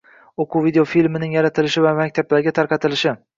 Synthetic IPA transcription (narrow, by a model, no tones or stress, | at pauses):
oqʰuvid̪eofilmɪnɪŋjaɾat̪ʰɪlɪʃɪvamakʲt̪ʰablaɾɡʲat̪ʰaɾqʰɑt̪ɪlɪʃɪ